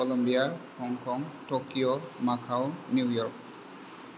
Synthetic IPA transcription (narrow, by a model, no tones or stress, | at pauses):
kɔlɔmbiaxɔŋkʰɔŋtokijɔmakʰawnjujɔɹk̚